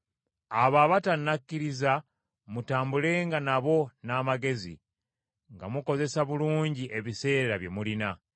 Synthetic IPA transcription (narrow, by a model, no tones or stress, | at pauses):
aβaβatanːakːiɾiza | mutaːmbule̞ːŋɡanaβo̞naːmaɡe̞zḭ | ŋɡa̰muko̞ze̞saβuluːɲɟiʔe̞βise̞ːɾaβje̞mulina